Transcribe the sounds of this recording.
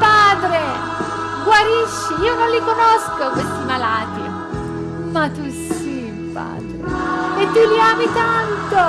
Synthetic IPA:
paːd̪ɾe | ɡwaɾiʃːiiːonõnlikonɔskokwest̪imalaːt̪ḭ | mat̪ːus | i | pa̰ːd̪ɾḛet̪ːuliaːmit̪ant̪o

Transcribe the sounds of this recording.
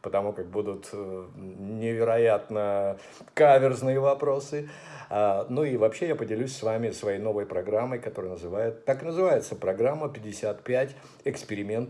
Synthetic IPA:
pət̪ɐmukak̚bud̪ʊt̪ | nʲɪvʲɪɾɐjat̪nə | kavʲɪrznɨjəvɐpɾo̞sɨ | anuivɐpɕːe̞japədʲɪlʲʉsʲsvamʲɪsvɐjejno̞vəjpɾɐɡɾamːəjkɐt̪o̞ɾɨjnəzɨvajɪt̪t̪ːaknəzɨvajɪt̪səpɾɐɡɾamːəpʲɪdʲːɪsʲat̪pʲætʲ | ɪkspʲɪɾʲɪmʲe̞nt̪ə

